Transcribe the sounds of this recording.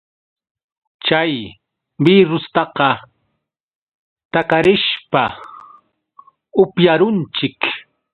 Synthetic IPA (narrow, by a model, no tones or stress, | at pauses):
t͡ʃaj | biɾʊst̪ɑqɑ | t̪akaɾɪʃpa | ʊpjaɾʊnt͡ʃɪk